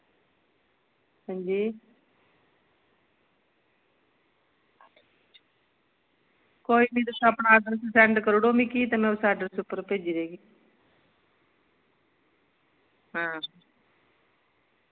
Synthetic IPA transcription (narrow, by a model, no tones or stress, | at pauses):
hə̃nd͡ʒiː | koːiːnĩːd̪ɪkːapɳaaːd̪əɾssɛɳɖkəɾɽoːmĩːkiːt̪emɛ̃ːusaːɖəɾsʊpːəɾpeːd͡ʒiːɾeːɡiː | ɦãː